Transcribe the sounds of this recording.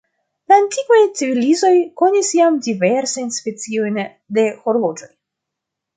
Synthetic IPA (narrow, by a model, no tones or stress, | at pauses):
laːntikvajt͡sivilizo̞jko̞nisjamdiveɾsajnspe̞t͡sio̞jn | de̞xo̞ɾvo̞d͡ʒo̞j